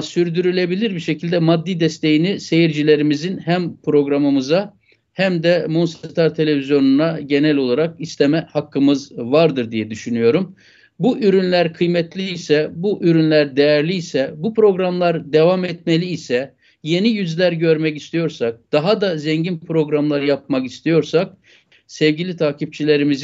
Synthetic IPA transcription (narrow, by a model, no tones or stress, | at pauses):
syɾd̪yɾylʲe̞bilʲiɾbiʃe̞cʰilʲd̪ɛmad̪ːid̪ɛst̪ʰe̞jinise̞jiɾd͡ʒilʲe̞ɾimizinhæmpʰɾo̞ɡɾamɯmɯza | hæmd̪ɛmonst̪ʰaɾt̪ʰe̞lʲe̞vizjo̞nunaɟe̞nælʲo̞lˠaɾak̚ist̪ʰe̞mɛhakʰːɯmɯzvaɾd̪ɯɾd̪ijɛd̪yʃynyjo̞ɾum | buʔyɾynlʲæɾkʰɯjmɛt̪ʰlʲiːsɛbuʔyɾynlʲæɾd̪ejæɾlʲiːsɛbupʰɾo̞ɡɾamlˠaɾd̪e̞vamɛt̪melʲiːsɛ | je̞nijyzlʲæɾɟø̞ɾmɛcist̪ʰijo̞ɾsak̚d̪̥aɦad̪azɛɲɟinpʰɾo̞ɡɾamlˠaɾɯjap̚makist̪ʰijo̞ɾsak̚ | sɛvɟilʲit̪ʰaːcʰip̚t͡ʃʰilʲe̞ɾimiz